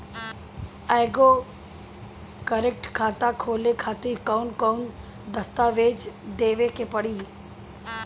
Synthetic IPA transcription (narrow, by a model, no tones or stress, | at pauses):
ɛːɡo | kəɾek̚ʈkʰaːt̪akʰoːlekʰaːt̪iːɾkɔːnkɔːn | d̪əst̪aːʋeːd͡ʒd̪eːʋekepəɽiː